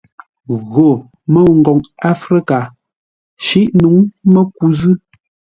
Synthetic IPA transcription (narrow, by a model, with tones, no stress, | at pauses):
ɣo˨ | mə˦˨ŋ̩˨ɡɔ˨ŋa˦fɾi˦ka˨ | ʃi˦ʔnu˨˦ŋmə˦ku˨zɨ˦